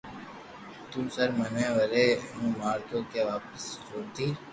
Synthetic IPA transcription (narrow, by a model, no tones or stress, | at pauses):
t̪ũːsəɾmənẽːʋəɾeːnũːmaːɾkjõːkeːʋaːpəst͡ʃoːt̪iː